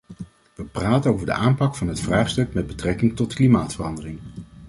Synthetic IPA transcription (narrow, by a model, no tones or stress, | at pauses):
ʋəpraːtənowvəɹdə̰ʔaːmpɑkfɑnɦətfraːχstɵkmɛd̚bətrɛkɪŋtɔtklimaːtfərɑndərɪŋ